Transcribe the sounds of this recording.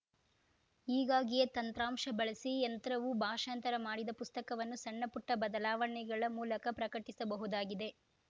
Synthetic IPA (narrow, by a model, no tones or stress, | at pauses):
iːɡaːɡijet̪ɐnt̪ɾaːmʂɐbɐɭɐsiɐnt̪ɐɾɐʋubʱaːʂaːnt̪ɐɾɐmaːɽid̪ɐpust̪ɐkɐʋɐnːusɐɳːɐpuʈːɐbɐd̪ɐlaːʋɐɳiɡɐɭɐmuːlɐkɐpɾɐkɐʈisɐbɐɦud̪aːɡid̪e̞